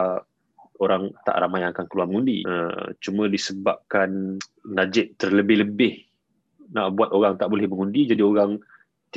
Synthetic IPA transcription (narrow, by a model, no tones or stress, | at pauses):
oɾaŋt̪a̰ʔramajakankəluarməŋundḭə̰t͡ʃumə̃disəbap̚kanːad͡ʒɪʔ̪t̪ːərləbɪhləbɪh | naʔbuat̪oɾaŋt̪aʔbolɪhbəŋundid͡ʒadioɣaŋ | t̪